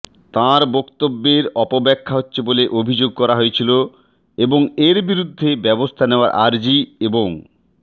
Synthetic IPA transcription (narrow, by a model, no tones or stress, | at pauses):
t̪aɾbɔkt̪obːeɾɔpobɛkʰːaɦotːɕʰeboleʔobʱid͡ʑoɡ̚kɔɾaɦojet͡ɕʰilo | eboŋeɾbiɾud̪ʱːebɛbost̪ʰaneoa̰ɾʔaɾd͡ʑieboŋ